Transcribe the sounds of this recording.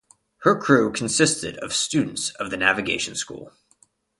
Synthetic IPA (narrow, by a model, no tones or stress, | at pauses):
hə˞kʰɹ̥ʉkʰn̩sɪstɨ̰ɾʌv̥stʉdⁿn̩tsʌvðɨnævɨɡeɪʃn̩skṵlˠ